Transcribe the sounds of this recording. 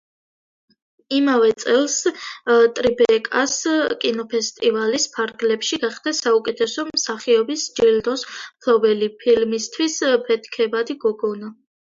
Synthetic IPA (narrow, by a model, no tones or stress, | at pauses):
imavɛt̪sʼɛlˠs | t̪ʼɾibɛkʼaskʼinɔpʰɛst̪ʼivalispʰaɾɡlɛpʃiɡaχd̪̥asaukʼɛt̪ʰɛsɔmsaχiɔbisd͡ʒild̪ɔsmpʰlɔbɛlipʰilmist̪ʰwispʰɛt̪ʰkʰɛbad̪iɡɔɡɔna